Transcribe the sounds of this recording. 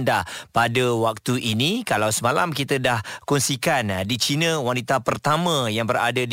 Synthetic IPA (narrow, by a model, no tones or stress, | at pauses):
ndapadəwak̚t̪uʔinikalawsəmalamkit̪ədahkunsikandit͡ʃinə̃wanit̪apərt̪amə̃jaŋbəra̰dad